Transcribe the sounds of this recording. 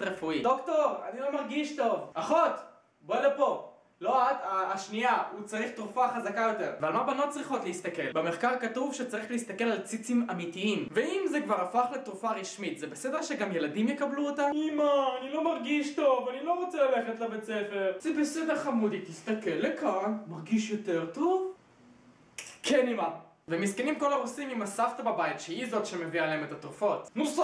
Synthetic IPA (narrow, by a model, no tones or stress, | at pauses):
ʁefuid̪okto̞ʁanilo̞maʁɡiʃtovaχot | bolepo̞ | lo̞ataːʃniaut͡saʁiχtʁufaχazakajo̞te̞ʁvealmabanot̚t͡sʁiχo̞t̪leist̪ake̞lbeme̞χkaʁkatuvʃet͡saʁiχleist̪ake̞lalt͡sit͡simamitiimveimzekvaʁafaχlet̪ʁufaʁiʃmit̪zebesedeʃeɡamjeladimjekabluotamimaːnilo̞maʁɡiʃto̞vanilo̞ʁot͡selale̞χetlabet͡sefe̞ʁz̥ebesedeʁχamud̪itist̪ake̞lːekanmaʁɡiʃjo̞te̞ʁto̞v | kʰenima | vemiskenimko̞laʁusimimasaftababaitʃeizo̞tʃe̞meviaːleemetatʁufo̞tnus